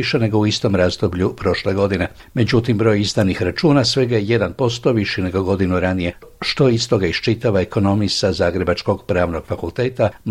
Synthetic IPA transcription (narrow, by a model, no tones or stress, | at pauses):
iʃene̞ɡo̞uist̪o̞mɾaːzd̪obʎupɾo̞ʃle̞ɡo̞d̪ine̞ | me̞d͡ʑut̪imbɾo̞ːjizd̪anixɾat͡ʃuːnasʋe̞ɡajeje̞d̪anpo̞st̪o̞ʋiʃjine̞ɡo̞ɡo̞d̪inuɾanije̞ | ʃt̪o̞ist̪o̞ɡaiʃt͡ʃit̪aʋaeko̞no̞misazaːɡɾe̞bat͡ʃko̞ɡpɾaːʋno̞ɡ̥fakulˠt̪e̞ːt̪am